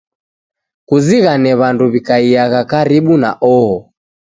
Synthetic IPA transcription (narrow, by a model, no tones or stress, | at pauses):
kuziɣanɛβanduβikaiaɣakaɾiɓuna̰ʔɔhɔ